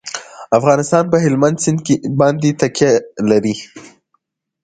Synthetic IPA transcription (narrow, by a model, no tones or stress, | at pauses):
afɣɑnɪst̪ɑnpəɦɪlmand̪sɪnd̪kebɑnd̪et̪akjalaɾi